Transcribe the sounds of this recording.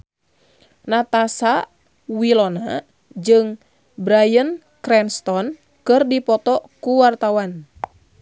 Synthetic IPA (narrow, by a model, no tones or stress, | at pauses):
nat̪asa | wilɔna | d͡ʒɨŋ | bɾajən | kɾɛnst̪ɔn | kɨrdipɔt̪ɔkuwart̪awan